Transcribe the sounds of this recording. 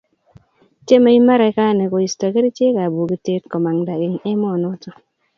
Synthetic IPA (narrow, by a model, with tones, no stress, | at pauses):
t͡ʃe˦ma˦i˦ma˦ɾɛ˨˦ka˦˨ne˨ko˨i˨sta˨ke˦ɾi˦t͡ʃe˦ka˨bu˨ki˨te˦tkɔ˨ma˨ŋda˨ɡɪ˦ŋɛ˦mɔ˦˨nɔ˦tɔ˨